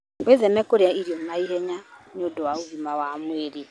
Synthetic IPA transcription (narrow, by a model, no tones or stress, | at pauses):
ezɛnɛkoɾjaiɾjɔnaiɦɛɲaɲodɔwauhimawamweɾi